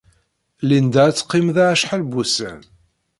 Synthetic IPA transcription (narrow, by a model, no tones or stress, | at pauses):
lind̪æt͡sːqːimðaʃħalbusə̰n